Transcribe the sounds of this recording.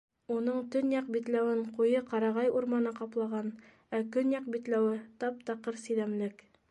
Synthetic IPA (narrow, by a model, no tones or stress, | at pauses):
unɤɴt̪ɵnjɑqbit̪læwɘɴqujɤqɑɾɑʁɑjuɾmɑnɤqɑplˠɑʁɑn | ækɵnjɑqbit̪læwɘt̪ɑp̚t̪ɑqɤɾsĭðæmlɘk